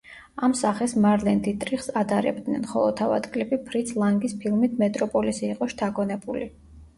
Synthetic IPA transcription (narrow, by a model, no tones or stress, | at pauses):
amsaχɛsmaɾlɛnd̪it̪ʼɾiχsad̪aɾɛ̰b̚d̪nɛ̰nχɔlˠɔt̪ʰava̰d̪kʼlipʼipʰɾit̪sʰlˠaŋɡispʰilˠmit̪ʰmɛt̪ʼɾɔpʼɔlisiːqʼɔʃt̪ʰaɡɔnɛbuli